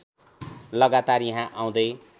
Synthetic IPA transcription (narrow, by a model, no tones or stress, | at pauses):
lʌɡat̪arjaɦãʔaw̃d̪ʌj